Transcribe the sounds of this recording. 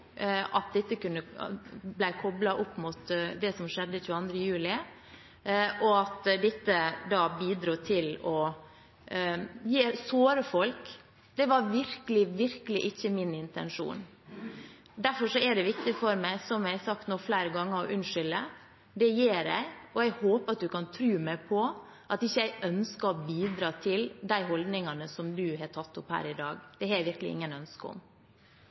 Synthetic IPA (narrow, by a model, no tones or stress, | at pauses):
ʔɑt̪̚d̪ɛt̪ːəkʉnːəblæɪkʰɔblɑʔɔpːmʊt̪d̪ɛsɔmʃɛd̪ːəçʉːəɑnd̪ɾəjʉːlɪ | ʔɔɑt̪d̪ɛt̪ːəd̪ɑːbiːd̪ɾuːt̪ʰɪlɔ | jeːɾsoːɾəfɔlk | d̪̥ɛʋɑɾʋɪɾkəlɪʋɪɾkəlɪʔɪçːəmɪnɪnt̪ɛnʂṵːn | d̪æɾfɔʂɔɛɖɛʋɪkt̪ɪfɔɾmæɪsɔmjæɪhsɑkt̪noːflæɪɾəɡɑŋːəɾɔʔʉnʂʏlə | d̪ɛjeːɾæ̰ɪɔæɪhoːpɑt̪̚d̪ʉkʰɑnt̪ʰɾʉːmæɪpʰɔ | ʔɑt̪ɪçːəjæɪʔœnskɑɔbiːd̪ɾɑːt̪ʰɪld̪æɪɦɔld̪nɪŋɑnəsɔmd̪ʉhɑɾʈʰɑt̪ːʊphæ̰ːɾɪd̪ɑːɡd̪̥ɛhɑjæɪʋɪɾklɪ̰ɪ̰ŋːənœnskəɔ̰m